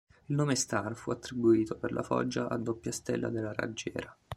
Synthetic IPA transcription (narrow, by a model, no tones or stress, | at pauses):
ilnoːmest̪arfuat̪ːɾibuiːt̪operlʔa̰fɔ̰d͡ʒːaʔad̪ːopːjast̪elːa̰d̪elːara̰d͡ʒːɛːɾa